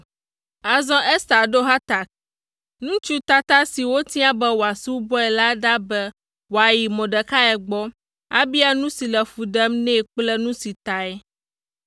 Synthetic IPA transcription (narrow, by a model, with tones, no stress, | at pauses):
a˨zɔ̃˦ʔɛ˦sa˨ɖo˦ɦa˦t̪a˨k̚ | nũ˦t͡ʃu˦t̪a˦t̪a˦si˨wo˦t̪i˦a˦bɛ˦wo˨a˨su˦bɔ˦ɛ˨la˦ɖa˦bɛ˦ | wo˨a˨ji˨mɔ̃˨ɖɛ˨ka˦ɛ˨ɡ͡bɔ˦ | a̰˦bi˦a˦nũ˦si˨lɛ˨fu˨ɖɛ˦mnɛ̃˦˨k͡plɛ˦nũ˦si˨t̪a˨ɛ˦